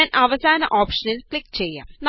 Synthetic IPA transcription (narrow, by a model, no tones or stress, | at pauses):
anʔɐʋɐsaːnɐ̰ʔoːpʂɐnilkɭikːt͡ɕejːa̰ːmn